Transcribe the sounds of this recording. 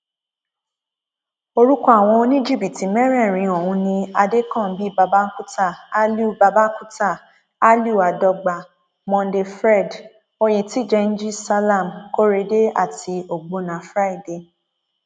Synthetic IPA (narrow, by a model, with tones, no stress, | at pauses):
o˧ɾu˦kɔ˦a˨w̃ɔ̃˧o˧nĩ˦d͡ʒi˦˨bi˨ti˨mɛ˦ɾɛ̃˦˨ɾ̃ĩ˨˧o˨hũ˧nĩ˧a˧de˦kɔ̃˦˨˦bi˦ba˧ba˦ku˦ta˦˨a˦lu˦˨ba˧ba˦ku˦ta˦˨ | a˦lu˦˨a˨dɔ˧ɡ͡ba˨ | mɔ̃˧n˦de˧fɾɛ˦˨d | o˧je˨ti˨˦d͡ʒɛ˧n̩˦d͡ʒi˦sa˦la˦˨mko˦ɾe˧˦de˦a̰˦˨ti˧o˨ɡ͡bo˧nã˨fɾa˦i˦˨de˧˨